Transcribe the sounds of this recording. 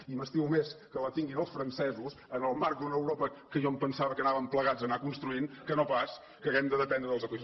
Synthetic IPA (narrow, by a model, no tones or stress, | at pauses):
iməst̪iumeskələt̪iŋɡinəlˠsfɾənsɛzus | ənəlˠmaɾk̚d̪unəwɾɔpəkəʒɔmpənsaβəkənaβəmpləɣad͡zənakunst̪ɾuinkənopas | kəːɣɛmd̪əðəpɛnd̪ɾəðəlˠzəki